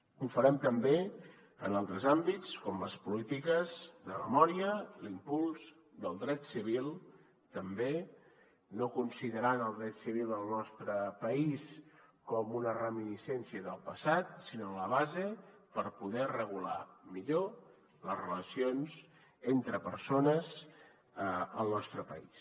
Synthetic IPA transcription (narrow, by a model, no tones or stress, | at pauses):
ufəɾɛmt̪əmbe | ənalˠt̪ɾəzambit͡skɔmləspulit̪ikəzðəmə̰mɔɾiəlimpulˠz | d̪əlˠd̪ɾɛt̪siβ̞ilˠ | t̪əmbe | nokunsiðəɾanəlˠd̪ɾɛt̪siβ̞ilˠd̪əlˠnɔst̪ɾəpəiskɔmunərəminisɛnsiəðəlˠpəsat̪sinoləβ̞azepəɾpuðɛrəɣ̞ula̰miʎo | ləzrələsionz | ent̪ɾəpəɾsonəz | əlˠnɔst̪ɾəpə̰is